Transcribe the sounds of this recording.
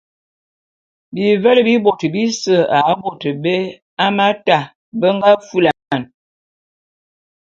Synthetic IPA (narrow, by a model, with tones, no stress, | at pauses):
bi˨vɛ˦lə˨bi˦bo˨tə˨bi˦sə˦a˨˦bo˨tə˨be˦ | a˦ma˦ta˨ | bə˦ŋɡa˦fu˦la˨ma˦˨n